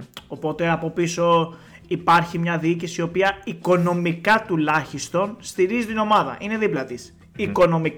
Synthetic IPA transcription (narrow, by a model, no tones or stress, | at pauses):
o̞po̞t̪e̞ɐpo̞piso̞ | ipɐɾçimɲɐðiicisio̞piɐiko̞no̞mikɐt̪ulɐçist̪o̞nst̪iɾizit̪ino̞mɐðɐ̰ʔine̞ðiplɐt̪is | iko̞no̞mik